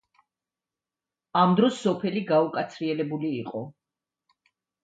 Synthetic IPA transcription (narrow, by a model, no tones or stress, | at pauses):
amd̪ɾɔsːɔpʰɛliɡaukʼat̪sʰɾiɛlɛbuliːqʼɔ